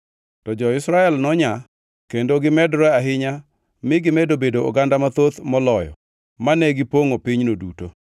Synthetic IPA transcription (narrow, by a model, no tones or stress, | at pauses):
tɔd͡ʒɔɪsɾaɛlnɔɲa | kendoɡɪmɛdɾɛaɦɪɲa | mɪɡɪmɛdobedoo̰ɡandamat̪ot̪mɔlɔjɔ̰ | manɛɡɪpoŋopɪɲnodṵto̰